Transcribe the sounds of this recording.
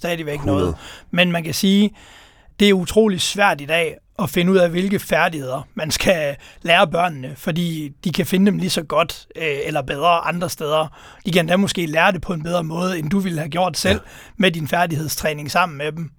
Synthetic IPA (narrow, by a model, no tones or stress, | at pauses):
d̥ɛːðˠiʋeɡ̥nɔ̽ːð̩ˠmenmænkʰæsiː | d̥e̝æɐut͡sʰʁo̝̰ːlid̥sʋæɐ̰d̥id̥ɛ̰ː | ʔɒ̽fe̝nəuð̰ˠæʋe̝lɡ̥əfæɐd̥ihe̝ð̞̰ˠɐmænsɡ̥æleːɐbɶɐ̰nnəfɒ̽dḭːd̥ikʰæfe̝nəd̥emlisɒ̽ɡ̥ɒ̽d̥elɐb̥eð̞ˠʁɐʔɑ̈nd̥ʁɐsd̥eð̞ˠɐ | d̥ikʰænd̥æmɔ̽sɡ̥e̝̰ːlæːɐde̝pʰɒ̽e̝nb̥eð̞ˠʁɐmɔ̽ːð̞̩ˠəend̥uʋilhæɡ̥jo̝ɐ̰d̥sel̰ | medinfæɐdiheð̞̰ˠst͡sʰʁɛːne̝ŋsɑ̈m̰n̩med̥em